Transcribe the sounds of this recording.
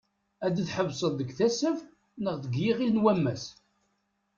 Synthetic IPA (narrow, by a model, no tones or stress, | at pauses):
æd̪əθħəvsˤəðˤðəɡθæsəv | nəʁðəɡjiʁilnwæmːæs